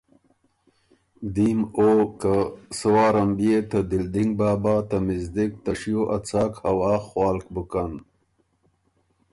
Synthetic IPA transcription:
d̪imokasɐwaːɾɐmbijet̪ad̪ild̪iŋɡ̚baːbaːt̪ɐmizd̪ik̚t̪ɐʂijoʔat͡saːkhawaːxwaːlkbukan

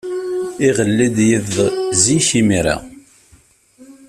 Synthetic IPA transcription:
iʁəlːid̪jəvðziçimiɾa̰

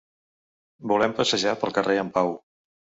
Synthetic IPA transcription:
bulɛmpəsəʒapəlˠkərʔeəmpaw

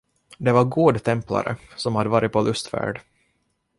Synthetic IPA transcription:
d̪ɛvaɾɡoːd̪t̪ʰɛmpla̰ɾʔə̰sɔmhad̪əvɑːɾɪt̪̚pʰɔlʔɵst̪fæ̰ːɖ

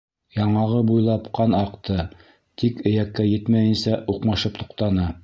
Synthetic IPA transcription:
jɑɴɑʁɤbujlˠɑpqɑnɑqt̪ʰɤ | t̪ikɘ̆jækːæjɘt̪mæjɘ̆nsæʔuqmɑʃɤp̚t̪ŭ̥qt̪ɑnɤ

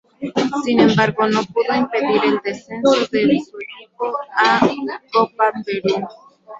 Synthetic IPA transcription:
sinẽ̞mbaɾɣonopuðoimpeðiɾeld̪esensoðeβisuɾikoakopapeɾu

